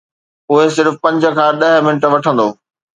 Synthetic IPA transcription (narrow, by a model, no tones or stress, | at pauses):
ʊɦesɪɾfʊpɐ̃ɲd͡ʑə̆kʰãːɗɐɦmɪnʈ̆ʋɐʈʰə̃nd̪oː